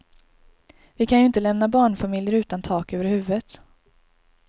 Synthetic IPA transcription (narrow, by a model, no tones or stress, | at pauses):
vɪkʰanjɵɪnt̪əlɛmnabɑːɳfamɪljəɾʉ̟ːt̪ant̪ʰɑːkøːvəɾhʉ̟ːvət̪